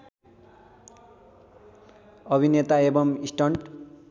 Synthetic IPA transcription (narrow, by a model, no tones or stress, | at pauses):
ʌbʱinet̪aebʌmisʈʌɳʈ